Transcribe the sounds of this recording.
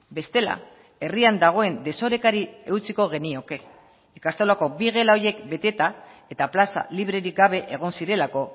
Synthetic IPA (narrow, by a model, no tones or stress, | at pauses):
be̞st̪e̞la̰ | e̞riand̪aɣ̞o̞e̞nd̪e̞so̞ɾe̞kaɾie̞uwt͡siko̞ɣ̞e̞nio̞ke̞ | ikast̪o̞lako̞biɣ̞e̞laoje̞kbe̞t̪e̞t̪ae̞t̪aplasa̰liβ̞ɾe̞ɾik̚ɡaβe̞ʔeɣ̞o̞nsiɾe̞lako̞